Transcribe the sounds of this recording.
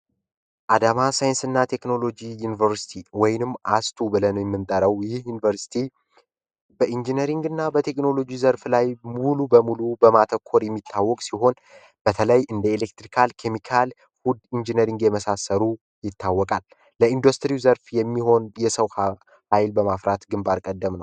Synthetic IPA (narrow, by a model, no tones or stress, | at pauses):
ʔad̪amasajɪnsɨnːat̪ʰe̞kno̞lo̞d͡ʒijunivəɾsi̥t̪ʰiwɔjnɨmːast̪ʰubɨlənəwjɛmːɨnt̪ʼəɾəwjɪhjunivəɾsi̥t̪ʰi | bəʔind͡ʒinəɾiŋɡɨnːabət̪ʰe̞kno̞lod͡ʒizəɾflajmulubəmulubəmat̪ʰəkʰːo̞ɾjɛmːit̪ʰːawːɔkʼsiɦo̞n | b̥ət̪ʰələjʔɨnd̪əelek̚t̪ɾikʰalkʰemikʰal | fud̪ind͡ʒinəɾiŋɡjɛməsasːəɾu | jɪt̪ʰːawːɔkʼalː | əind̪ust̪ʰɾiwzəɾfjɛmːiɦo̞njɛsəwh | hajlbəmafɾat̪ɡɨmbaɾkʼəd̪ːəmnəww